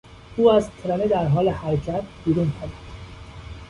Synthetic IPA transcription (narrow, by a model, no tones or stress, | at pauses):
uːæzt̪ʰɾæmed̪æɾɦɒːlehæɾcʰæt̪biːɾuːnpʰæɾid̪̥